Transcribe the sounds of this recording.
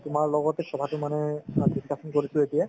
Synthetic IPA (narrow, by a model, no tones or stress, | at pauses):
tʊmaɹlɔɡɔtɛsʰɔbʱatʊmanɛdiskʰasɔnkoɹisʊetijɛ